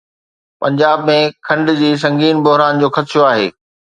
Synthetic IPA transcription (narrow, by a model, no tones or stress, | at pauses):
pɐ̃ɲd͡ʑaːbmẽkʰɐ̃ɳɖd͡ʑiːs̬ɐ̃ŋɡiːnbʊɦɾaːnd͡ʑoːxɐt̪ʃoaːɦḛː